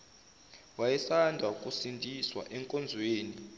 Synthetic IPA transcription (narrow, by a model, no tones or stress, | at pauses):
wajɛsandʱakʼusindʱiswa̰ʔɛŋkʼɔnd͡zʱweːni